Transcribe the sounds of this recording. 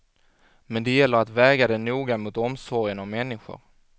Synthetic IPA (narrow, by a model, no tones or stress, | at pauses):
mɛnd̪ɛjɛlːəɾat̪vɛːɡad̪ɛnuːɡamʊt̪ɔmsɔɾjənavmɛnːɪɧʊ̰ɾ